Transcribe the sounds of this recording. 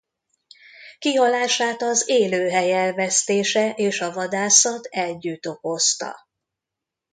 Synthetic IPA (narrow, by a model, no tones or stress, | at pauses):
kiɒlaːʃaːt̪ɒzeːløːɦɛjɛlvɛst̪eːʃɛʔeːʃɒvɒd̪aːsɒt̪ʰɛlɟyt̪o̞ko̞st̪ɒ̰